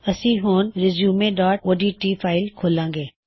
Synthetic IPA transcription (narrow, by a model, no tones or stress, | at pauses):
əsĩɦoːnɾɪzjuːmẽɖaːʈ̚oːɖiːʈiːfʰaːɪlkʰoːlãːŋɡeː